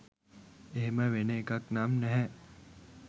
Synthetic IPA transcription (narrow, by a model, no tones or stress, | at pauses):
eɦeməʋeneːkaknaːmnɛɦɛ